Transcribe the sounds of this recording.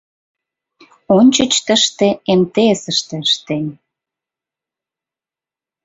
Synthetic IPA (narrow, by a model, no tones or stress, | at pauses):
onʲt͡ɕə̆t͡ɕt̪əʃt̪eemt̪esəʃt̪ĕʃt̪enʲ